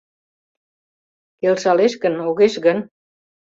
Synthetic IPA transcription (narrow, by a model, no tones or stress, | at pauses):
kelʃɑleʃɣə̆noɣeʃɣən